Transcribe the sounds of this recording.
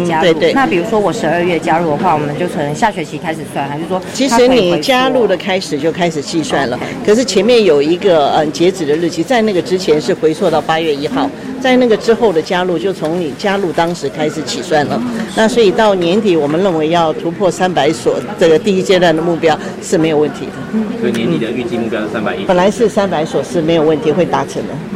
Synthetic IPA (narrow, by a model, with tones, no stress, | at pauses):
t̪we˥˧ɪt̪we˥˩na˥˩pi˨˩ɻu˧˥ʂwɔ˥wɔ˨˩ʂɻ̩˧˥ə˞˥˧ɥɛ˥˩t͡ɕja˥ɻu˥˩d̪ə˩xwa˥˩wɔ˨˩mə˦nt͡ɕjo˥˩ʊkʰɤ˧˨˩nə˧˦˥ŋɕja˥˩ɕɥɛ˧˥t͡ɕʰi˧˥kʰa˥ɪʂ̩˨˩swa˥˩nxa˧t͡ɕjo˥˩ʂwɔ˥t͡ɕʰi˧˥ʂʂɻ̩˧˥ni˨˩˧t͡ɕja˥lu˥˩d̪ə˩kʰa˥ɪʂɻ̩˨˩t͡ɕjo˥˩ʊkʰa˥ɪʂɻ̩˨˩t͡ɕi˥˧swa˥˩nlə˩kʰɤ˨˩ʂ̬ɻ̩˥˩t͡ɕʰjɛ˧˥nmjɛ˥˩njo˨˩ʊi˧˥ɡə˧ə˥˩t͡ɕjɛ˧˥ʈ͡ʂɻ̩˨˩d̪ə˦l̩˥˩t͡ɕʰi˧˥t͡sa˥˧ɪna˥˩ɡə˩ʈ͡ʂɻ̩˥t͡ɕʰjɛ˧˥nʂɻ̩˥˩xwe˧˥ɪt͡sʰwɔ˥˧t̪ɑ˥˩ʊpa˥ɥɛ˥˩i˥xɑ˥˩ʊt͡sa˥˧ɪna˥˩ɡə˩ʈ͡ʂɻ̩˥xo˥˩ʊd̪ə˩t͡ɕja˥lu˥˩t͡ɕjo˥˩ʊt͡sʰʊ˧˥ŋni˨˩t͡ɕja˥lu˥˩t̪ɑ˥ŋʂɻ̩˧˥kʰa˥ɪʂɻ̩˨˩˦t͡ɕʰi˨˩swa˥˩nlə˨˩na˥˩swɔ˧˥i˨˩t̪ɑ˥˩ʊnjɛ˧˥nt̪i˨˩˥wɔ˨˩mə˦nɻə˥˩nwe˧˥ɪjɑ˥˩ʊt̪ʰu˧˥pʰwɔ˥˩sa˥npa˧˥ɪswɔ˨˩ʈ͡ʂɤ˥˩ɡə˩t̪i˥˩i˥t͡ɕjɛ˥˧t̪wa˥˩nd̪ə˩mu˥˩pjɑ˥ʊʂɻ̩˥˩me˧˥ɪjo˨˩ʊwə˥˩nt̪ʰi˧˥d̪ə˨sjɛ˧˦nt̪i˨d̪ə˦y˥˧t͡ɕi˥˧mu˥˩pjɑ˥ʊə˨˩sa˥npa˨˩ɪ˥pə˨˩nla˨˧˥ɪʂɻ̩˥˩sa˥npa˧˥ɪswɔ˨˩ʂɻ̩˥˩me˧˥ɪjo˨˩ʊwə˥˩nt̪ʰi˧˥xwe˥˩ɪt̪a˧˥ʈ͡ʂʰə˧˥ŋd̪ə˨